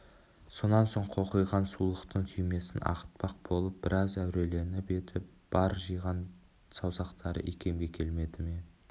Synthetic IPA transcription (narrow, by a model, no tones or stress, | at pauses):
so̞nɑnso̞ɴqʰo̞qəjʁɑnsulˠəqt̪əɴt̪ʰʏjme̞sɪnʔɑ̰qə̥t̪̚pɑq̚bo̞lˠəp̚b̥ɪɾʔɑzæwɾe̞le̞ɾnɪbe̞t̪ʰɪp | b̥ɑɾʒɯjʁɑn | sɑwsɑqt̪ɑɾə̰ʔekʲʰe̞mɡʲe̞kʲʰe̞lme̞d̪ɪme